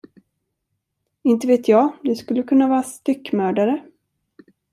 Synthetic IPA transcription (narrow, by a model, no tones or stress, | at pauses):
ɪnt̪əveːt̪ʰjɑːd̪ɛskɵlːəkʰɵnːavɑːɾast̪ʏkːmœːɖaɾə